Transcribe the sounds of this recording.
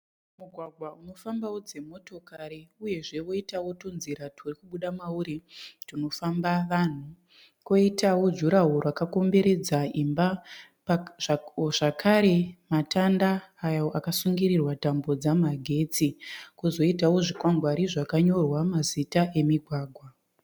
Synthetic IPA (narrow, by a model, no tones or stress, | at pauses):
muɡʱwaɡʱwauno̞fambawod͡ze̞mo̞to̞kaɾiuje̞ʐe̞ʋo̞itawo̞tonziɾatʰurikuɓuɗamauɾituno̞fambaʋan̤u | ko̞itawo̞d͡ʒuɾaɦuɾakako̞mbe̞ɾe̞d͡zaimba | ʐ̥akʰaɾe̞matandaːjo̞ʔakasuŋɡiɾirwatambo̞d͡zamaɡʱe̞ːt͡sikuzo̞itawo̞ʐikwaŋɡwaɾiʐakaɲo̞rwamazitaʔe̞miɡʱwaːɡʱwa